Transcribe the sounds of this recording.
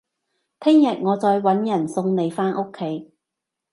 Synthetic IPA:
t̪ʰɪ˥ŋjɐ˨t̚ŋɔː˨˧t͡sɔː˨˧jwɐ˨˥njɐ˨˩nsʊ˧ŋne˨˧jfaː˥nʔo˥kʰːe˨˥j

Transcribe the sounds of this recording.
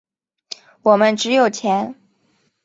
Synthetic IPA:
wɔ˨˩mə˦nʈ͡ʂɻ̩˧˥jo˨˩ʊt͡ɕʰjɛ˧˥n

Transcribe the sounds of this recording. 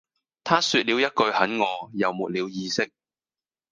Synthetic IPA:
t̪ʰaː˥syː˧t̚li˨˧wjɐ˥t̚kɵ˧ɥhɐ˨˥nŋɔː˨˧jɐ˨wmuː˨t̚liː˨˧wjiː˧sɪ˥k̚

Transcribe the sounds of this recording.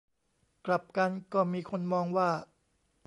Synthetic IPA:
kla˨˩p̚ka˧nkɔː˥˩miː˧kʰo˧nmɔː˧ŋwaː˥˩

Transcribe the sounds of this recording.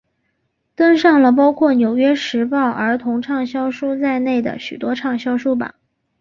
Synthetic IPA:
t̪ə˥ŋʂɑ˥˩ŋlə˩p̬ɑ˥ʊkʰwɔ˥˩njo˨˩ʊɥɛ˥ʂɻ̩˧˥pɑ˥˩ʊʔə˞˧˥t̪ʰʊ˧˥ŋʈ͡ʂʰɑ˥˩ŋɕjɑ˥ʊʂu˥t͡sa˥˧ɪne˥˩ɪd̪ə̰˩ɕy˨˩t̪wɔ˥ʈ͡ʂʰɑ˥˩ŋɕjɑ˥ʊʂu˥ba̰˨˩

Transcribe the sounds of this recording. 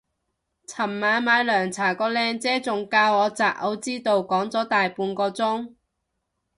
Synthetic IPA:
t͡sʰɐ˨˩mːaː˨˧nmaː˨˧jlœː˨˩ŋt͡sʰaː˨˩kɔː˧lɛː˧ŋt͡sɛː˥t͡sʊ˨˩ŋkaː˧wɔː˨˧t͡saː˨ʔ̚ʔɐ˨˥wt͡siː˥t̪o˨˧wkɔː˨˥ŋt͡sɔː˨˥t̪aː˨jpuː˧nkɔː˧t͡sʊ˥ŋ

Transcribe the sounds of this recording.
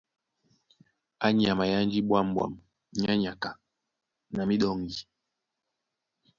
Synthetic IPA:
a˦ɲ˦a˨ma˨ja˦n˦d͡ʒi˦ɓwa˦m˨bwa̰˨m | ɲ˦a˦ɲa˨ka˨ | na˨mi˦ɗɔ˦ŋɡi˨

